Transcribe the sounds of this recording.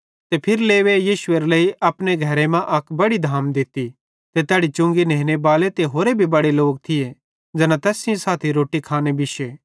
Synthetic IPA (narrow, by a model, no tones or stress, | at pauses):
t̪epʰɪɾleːʋejiːʃʊeɾleiʔɐpñeɡʱɐɾemãʔɐkbɐɽid̪ʱaːmd̪ɪt̪i | t̪et̪ɛːɽit͡ʃʊ̃ŋɡinẽːnebaːlet̪eɦoːɾebʱibɐɽeloːɡ̚t̪ʰɪje | d͡ʒɐnãt̪ɛːsɪ̃saːt̪ʰiɾoːʈikʰaːnebɪʃeː